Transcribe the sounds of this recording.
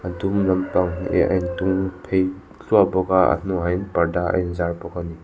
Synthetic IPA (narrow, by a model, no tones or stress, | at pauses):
adumnɐmpaŋḛa̰jntuŋpʰej | ɬuabɔɡaa̰nuɦajnpaɾdaa̰jnzaɾpɔkani